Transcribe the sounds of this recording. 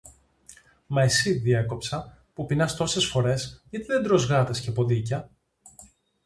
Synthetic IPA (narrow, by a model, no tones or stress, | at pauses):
mɐesiðieko̞psɐ | pupinɐst̪o̞se̞sfo̞ɾe̞sʝɐt̪iðed̪ɾo̞zɣɾɐθescepo̞ðic̬ɐ